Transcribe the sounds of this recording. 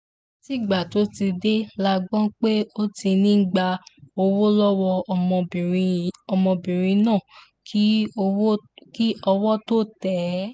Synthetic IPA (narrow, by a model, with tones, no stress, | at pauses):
ti˦˨ɡ͡ba˨to˨˦ti˧de˦la˧ɡ͡bɔ̃˦k͡pe˦o˦ti˧nĩ˦ɡ͡ba˧o˧wo˦lɔ˦wɔ̃˧˨˧ɔ˧mɔ̃˧bĩ˨ɾ̃ĩ˧nãː˦˨˦ | ki˦ɔ˧wɔ˦to˦tɛ˨˦